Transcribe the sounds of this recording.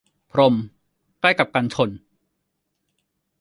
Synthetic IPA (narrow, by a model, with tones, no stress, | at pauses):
pʰɾo˧m | kla˥˩jka˨˩p̚ka˧nt͡ɕʰo˧n